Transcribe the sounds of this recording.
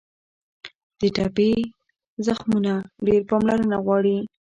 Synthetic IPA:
d̪̥əʈape | zaxmunaɖeɾpɑmlaɾənaɣwɑɽi

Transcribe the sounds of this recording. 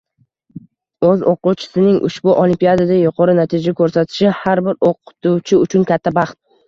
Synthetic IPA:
ɵzoquwt͡ʃʰɪ̥sɪnɪŋʔʊ̰ʃbʊʔolimpijad̪ad̪ajʊqʰɒɾɪnat̪ʰɪd͡ʒakʰɵɾsat̪ʰɪ̥ʃɪhaɾbɪɾoqʰʊ̥t̪ʰuwt͡ʃʰɪʊt͡ʃʰʊnkʲʰat̪ʰːabɑχt̪̚

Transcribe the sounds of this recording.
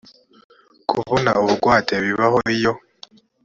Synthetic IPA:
kʰṵβona̰oβuɡwaːteβiβahoijo̞

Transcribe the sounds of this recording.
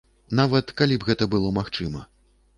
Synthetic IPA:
navɐt̪kalʲibɣɛt̪ɐbɨlˠɔmaxt͡ʂɨmɐ̰

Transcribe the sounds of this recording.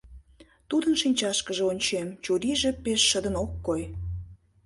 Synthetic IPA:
t̪ud̪ənʃinʲt͡ɕɑʃkəʒeonʲt͡ɕemt͡ɕuɾiʒepeʃːəd̪ənokːoj

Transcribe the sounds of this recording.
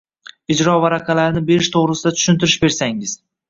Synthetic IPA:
ɪd͡ʒɾɒvaɾaqʰalaɾnɪbe̞ɾɪʃt̪ʰoʁɾɪsɪd̪at̪ʰʊ̥ʃʊnt̪ʰɪɾɪʃbe̞ɾsaŋɪz̥

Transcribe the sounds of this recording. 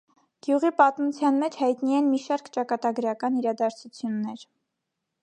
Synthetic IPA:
ɡ̥juʁipɑt̪mut͡sʰjɑnmɛt͡ʃʰhɑjt̪niɛnmiʃɑɾkt͡ʃɑkɑt̪ɑɡəɾɑkɑniɾɑd̪ɑɾt͡sʰut͡sʰjunːɛɾ

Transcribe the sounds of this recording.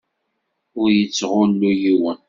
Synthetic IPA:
ʊɾjət͡sːʁʊnːujiwən

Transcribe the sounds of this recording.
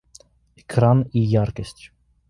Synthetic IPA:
ɛkʰɾanijɑɾkɛst̪

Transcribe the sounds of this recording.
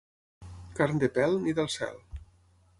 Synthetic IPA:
kaɾnd̪epɛlˠniðəlˠsɛ̰lˠ

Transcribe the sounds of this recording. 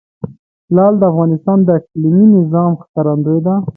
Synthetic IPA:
lɑld̪əafɣɑnɪst̪ɑnd̪əakliminɪzɑmxkaɾand̪ojd̪a

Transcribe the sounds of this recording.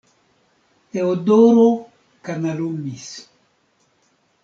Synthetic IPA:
teodoɾo | kanalumis

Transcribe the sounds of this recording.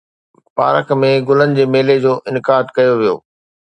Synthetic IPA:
pa̰ːɾəkmẽɡʊlənɪ̆d͡ʑeːmeːled͡ʑoːʔɪnɪkaːd̪kɐjoʋijo̰ː

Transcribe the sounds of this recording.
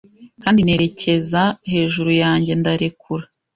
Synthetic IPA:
kaːndine̞ɾe̞cʰe̞zahe̞ːʒuɾujaːɲɟe̞ndaɾe̞kuɾa

